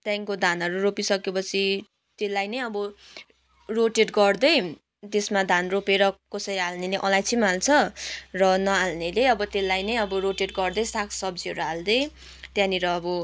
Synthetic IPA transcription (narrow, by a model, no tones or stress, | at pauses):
t̪jaŋkod̪ʱanʌɾuropisʌkepʌt͡sʰi | t̪elːajnʌjʌbʌ | roʈeʈɡʌrd̪ʌj | t̪esmad̪ʱanropeɾʌkʌsʌɾalneleʔʌlajt͡sʰimalt͡sʰʌrʌnʌalneleʌbʌt̪elːajnʌjʌbʌɾoʈeʈɡʌrd̪ʌjsakʰsʌb̚d͡ziʌɾuald̪ʌj | t̪jãniɾʌːbʌ